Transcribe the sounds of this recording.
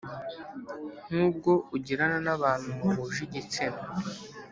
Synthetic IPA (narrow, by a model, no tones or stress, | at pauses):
n̥uːb̚ɡo̞uɟiɾananaβaːn̥humaβuʒiɟit͡sema